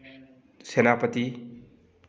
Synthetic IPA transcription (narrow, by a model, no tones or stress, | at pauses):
senapət̪i